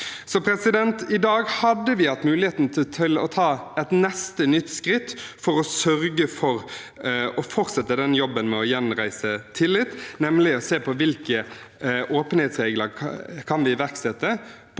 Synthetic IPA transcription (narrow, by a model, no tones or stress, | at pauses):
sɔpʰɾɛsɪd̪ɛnt̪ɪd̪ɑːɡhɑd̪ːəʋɪhɑt̪ːmʉːlɪheːt̪n̩t̪ʰɪt̪ʰɪlɔ̰t̪ʰɑːɛt̪nɛst̪ənʏt̪ːskɾɪt̪ːfɔɾɔsœɾɡəfɔɾ | ɔfɔɾt̪sɛt̪ːəd̪ɛnjɔbːənmɛɔjɛnɾæɪsət̪ʰɪlːɪt̪ːnɛmlɪɔseːpʰɔʋɪlkə | ʔoːpənhɛːt̪sʁeːɡləɾkʰɑnʋɪʋæʁksɛt̪ːə